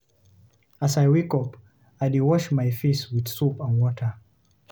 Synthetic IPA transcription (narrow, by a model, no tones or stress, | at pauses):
asajwikɔp | ajdiwɔʃmajfiswiðsupə̃nwɔtʰə˞